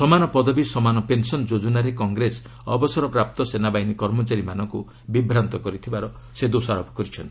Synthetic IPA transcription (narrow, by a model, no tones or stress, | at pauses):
sɔmanɔpɔd̪ɔbisɔmanɔpensɔnd͡ʒod͡ʒunaɾekɔŋɡɾes | ɔ̰bɔsɔɾɔpɾap̚t̪ɔsenabainikɔɾmɔt͡ʃaɾimanɔŋku | bibɾant̪ɔkɔɾit̪ʰibaɾɔ | sed̪osaɾɔpɔ̥kɔɾit͡ʃʰɔnt̪i̥